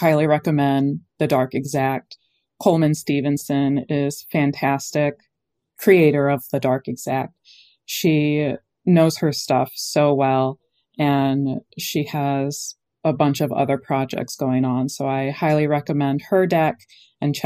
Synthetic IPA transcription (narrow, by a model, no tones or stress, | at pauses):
haɪlˠiɹɛkɨmɛ̃nðɨdɑɹkɨɡzæk̚t̚ | kʰoʊlˠmɨ̃nstivɨ̃nsɨ̃nɪz̥fæ̃ntʰæstɪkʰː | ɹ̥ieɪɾə˞ʌvðɨdɑɹkɨɡz̥æk̚t̚ | ʃi | noʊz̥hə˞stʌ̰fsoʊwɛlˠ | ɨ̃nʃiəz̥ | əbʌ̃nt͡ʃʌvʌ̰ðə˞pʰɹ̥ɑd͡ʒɛ̰k̚tsɡ̥oʊɪ̃ŋə̃nsoʊaɪhaɪlˠiɹɛkɨmɛ̃nd̥̚hə˞dɛk | ɨ̃nt͡ʃʰ